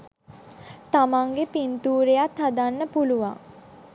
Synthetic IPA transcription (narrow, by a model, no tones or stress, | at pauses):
t̪amaŋɡepint̪uːɾejat̪had̪anːəpuluʋa̰ŋ